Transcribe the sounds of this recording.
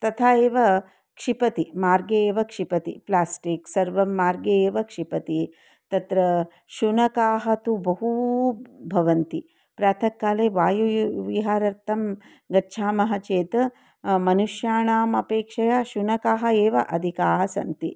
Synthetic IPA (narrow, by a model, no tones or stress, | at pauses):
t̪ɐt̪ʰaːeːʋɐ | kʂipɐt̪imaːɾɡɐeːʋɐkʂipɐt̪ḭplaːsʈiksɐɾʋɐmːaːɾɡɐeːʋɐkʂipɐt̪i | t̪ɐt̪ɾɐ | ʃunɐkaːɦɐt̪ubɐɦu | bʱɐʋɐnt̪i | pɾaːt̪ʰɐkːaːleːʋaːjuʋiɦaːɾɐɾt̪ʰɐm | ɡɐtːʃʰaːmɐɦɐt͡ʃeːt̪ɐ | mɐnuʃjaːɳaːmɐpeːkʂɐjaʃunɐkaːɦɐeːʋɐʔɐd̪ʱikaːɦɐsɐ̰nt̪ḭ